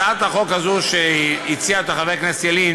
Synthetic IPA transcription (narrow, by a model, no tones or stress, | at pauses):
at̪aχo̞khazuʃeit͡siaet̪aχaveʁknasjelin